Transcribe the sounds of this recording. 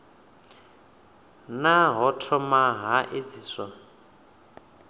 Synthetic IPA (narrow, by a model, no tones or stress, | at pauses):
naɦɔtʰɔmaɦaʔed͡ziːsa